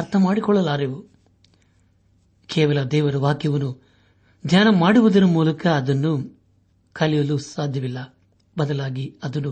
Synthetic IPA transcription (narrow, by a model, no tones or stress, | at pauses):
ɐɾt̪ʰɐmaːɽikɔɭːɐlaːɾeʋu | kʰɛːʋɐlɐd̪ɛːʋɐɾɐʋaːkjɐʋɐnu | d̪ʱjaːnɐmaːɽuʋud̪ɐnɐmuːlɐkɐːd̪ɐnːu | kʰɐlijɐlusaːd̪ʱjɐʋilːɐ | bɐd̪ɐlaːɡiɐd̪ɐnːu